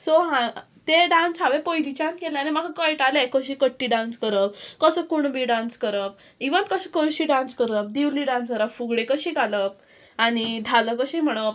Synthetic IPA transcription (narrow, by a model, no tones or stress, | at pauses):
soɦã | t̪eɖãnsɦaʋepojd̪it͡ɕant̪keleanimakʰakəjʈalekəɕiːkəʈːiɖãnskəɾəp̚kəsəkuɳbʱiɖãnskəɾəp̚ | iʋənt̪̚kəskəɕiɖãnskəɾəp̚d̪iʋliːɖãnskəɾəpfuɡɽekəɕĩɡʱaləp̚ | aɽ̃id̪ʱaləkəɕim̤əɽ̃o